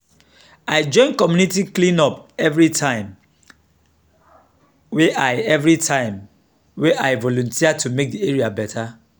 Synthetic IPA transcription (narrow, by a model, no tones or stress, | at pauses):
aɪd͡ʒɔ̃ɪ̃nkɔmjunitiklĩnɔpɛvɹitʰãɪ̃m | weʔaɪɛvɹitʰãɪ̃m | weʔaɪvɔlɔ̃ntʰiatumek̚dieɹiabɛtʰa